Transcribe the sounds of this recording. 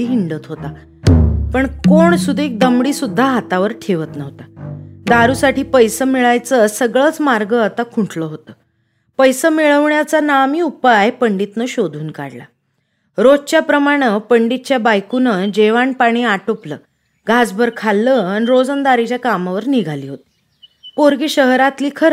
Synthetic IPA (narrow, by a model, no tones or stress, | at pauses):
iɦiɳɖət̪ɦot̪a | pəɳkoɳsud̪ʱek̚d̪əmɽiːsud̪ʱːaɦat̪aʋəɾʈʰeʋət̪nəɦt̪ad̪aɾuːsaʈʰiːpəjsəmiɭajt͡səsəɡɭəːt͡smaɾɡəat̪akʰuɳʈʰləɦot̪əː | pəjsəmiɭəʋɳjat͡sanamiːupajpəɳɖit̪nəɕod̪ʱuːnka̰ɽla̰ | ɾod͡zt͡ɕjapɾəmaɽ̃əpəɳɖit̪̚t͡ɕjabajkunəd͡ʑeʋaɳpaɽ̃iːaʈopləː | ɡʱad͡zbʱəɾkʰalːəañiɾod͡zənd̪aɾit͡ɕjakamaʋəɾniɡʱaliːɦot̪i̥ | poɾɡiɕəɦɾat̪liːkʰəɾ